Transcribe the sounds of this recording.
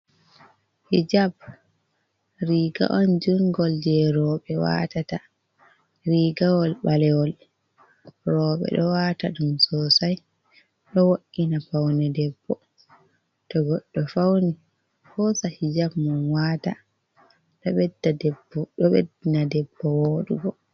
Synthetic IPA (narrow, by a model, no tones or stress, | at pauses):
hid͡ʒab̚ | ɾiːɡa̰ʔɔnd͡ʒuŋɡɔld͡ʒɛɾɔːɓɛwa̰ːtata | ɾiːɡawɔlɓalɛwɔl | rɔːɓɛ̰ɗɔwaːtaɗumsɔːsaj | ɗɔwoʔːinapawnɛdɛbːɔ | tɔɡɔɗːɔfawni | fɔsahid͡ʒabmɔnwaːta | ɗɔɓɛdbɔḛdinadɛbːɔwoːɗṵɡɔ